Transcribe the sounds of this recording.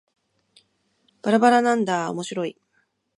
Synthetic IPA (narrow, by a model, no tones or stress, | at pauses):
b̥aɾabaɾanãnd̪ao̰mo̞ɕiɾo̞i